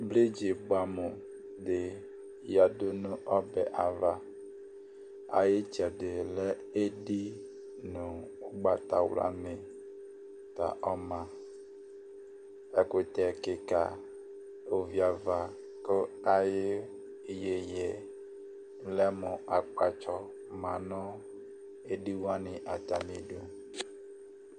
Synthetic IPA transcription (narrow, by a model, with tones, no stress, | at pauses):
ble˦d͡ʒe˨ba˨mo˨ | dɪ˨ | ja˨do˦nũ˦ʔɔ˦bɛ˨ʔa˨va˨ | a̰˨je˦t͡ʃɛ˨dɪ˨lɛ˦ | e˦ɖi˦ | nõ˨o˦ɡ͡ba˨t̪a˨wla̰˨ne˨ | t̪a̰˨ʔɔ˦mã˨ | ɛ˨kʊ˨t̪ɛ˨kɪ˨ka̰˨ | o˨vi˨a˨va˨ | kə˦a˨jɪ˦ | i˦je˨jɛ˨˦ | lɛ˦mʊ˨a˨k͡pa˨t͡ʃɔ˦ | mã˨nɔ̃˦ | e˦di˦wa˦nɪ̃˨ʔa˨ta˨ni˨du˦